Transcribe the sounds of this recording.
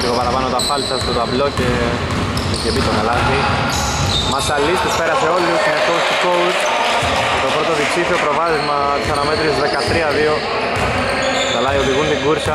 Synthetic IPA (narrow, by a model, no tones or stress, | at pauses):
liɣopɐɾɐpɐnot̪ɐfɐlt̪ɐst̪ot̪ɐvloce | ecebit̪omɐlɐsi | mɐst̪ɐlːist̪espeɾɐseolːusmekoust̪ikous | t̪o̞pɾot̪oðiksifiopɾovɐðizmɐ | t̪isɐnɐmet̪ɾisðekɐt̪ɾiɐðio | t̪ɐlɐioðiɣund̪iŋɡuɾsɐ